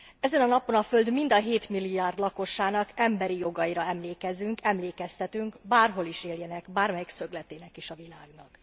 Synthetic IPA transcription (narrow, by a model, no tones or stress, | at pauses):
ɛzɛnɒnɒpo̞nɒfø̞ld̪mind̪ɒɦeːt̪milːijaːrd̪lɒko̞ʃaːnɒkɛmbɛɾijo̞ɡɒiɾɒɛmleːkɛzyŋkɛmleːkɛst̪ɛt̪yŋkbaːrɦo̞liʃeːljɛnɛɡbaːrmɛjiksø̞ɡlɛt̪eːnɛkiʃɒvilaːɡnɒk